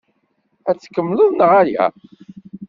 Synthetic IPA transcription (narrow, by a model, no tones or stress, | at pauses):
æt͡sːkːəmːlʊðˤnəʁæjæ̰